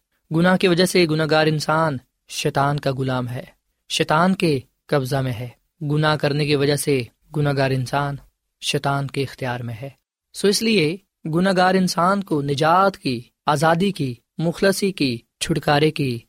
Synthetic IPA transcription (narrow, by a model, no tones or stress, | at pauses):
ɡʊnakiʋɐd͡ʒəɦseɡʊnaːɡaːɾɪnsaːn | ʃɛːt̪aːnkaɡʊlaːmɦɛː | ʃɛːt̪aːnke | kɐbzamẽɦɛː | ɡʊnakɐɾnek̬iʋɐd͡ʒəɦse | ɡʊnaːɡaːɾɪnsaːn | ʃɛːt̪aːnkeɪxt̪ijaːɾmẽɦɛː | soːɪslie | ɡʊnaɡaːɾɪnsaːnkonɪd͡ʒaːt̪ki | aːzaːd̪iki | mʊxləsiki | t͡ʃʰʊɽkaːɾeki